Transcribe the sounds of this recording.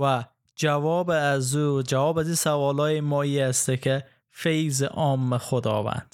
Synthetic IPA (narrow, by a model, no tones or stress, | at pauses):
væ | d͡ʒævɒːbzud͡ʒævɒːbæziːsævɒːlɒːjemɒːiːæst̪ekʰe | fejzḛʔɒːmːexod̪ɒ̰ːvæ̰nd̪̥